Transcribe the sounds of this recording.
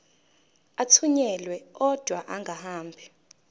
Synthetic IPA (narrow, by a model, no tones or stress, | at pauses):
atʰuɲɛlwɛɔd̥ʱwaʔaŋɡʱahaːmbʱi